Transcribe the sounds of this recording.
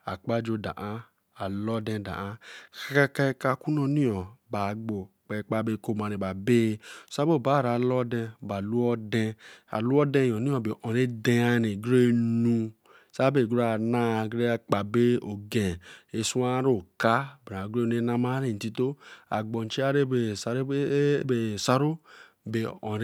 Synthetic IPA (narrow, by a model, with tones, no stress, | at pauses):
a˨k͡pa˦d͡ʒo˧da̰˨ʔã˦ | a˨lɔ˦dɛ̃˧da̰˨ã˨˦ka˦a˦ka˦˧ka˧ku˦nɔ˧ni˦ɔ̃˨ba˨ɡ͡bo˨k͡pɛ˧k͡pa˦be˧˨ko˧ma˨˧ɾẽ˨ba˨be˦˨˧sa˦bo˦˨ba˨˦˨ɾa˨lɔ˦dɛ̃˧˨ba˨lu˦ɔ˦dɛ̃˧a̰˨lu˦ɔ˦dɛ̃˧˨ɔ˨nĩ˦ɔ̃˧˨bi˨ʔɔ̃˨ɾe˦de˧a˧ne˨ɡɾe˦nũ˧ | sa˦be˨ɡu˦ɾa˨na˦˨ɡɾe˦k͡pa˨be˦o˨ɡe˨e˨su˦a˦ɾo˨ka˦ba˨ɾa˨ɡɾe˦nu˦e˦na˦ma˦ɾe˦˨n̩˨ti˦to˦a̰˨ɡ͡bo˨n˨t͡ʃi˦a˦ɾe˦e˨sɾbe˨sa˦ɾo˦ | be˨ɔ̃˨ɾ